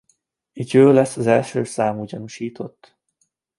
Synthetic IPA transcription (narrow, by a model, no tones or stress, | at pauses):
it̪jøːlɛsːɒzɛlʃøːsaːmuɟɒnuʃiːt̪ʰo̞t̪ː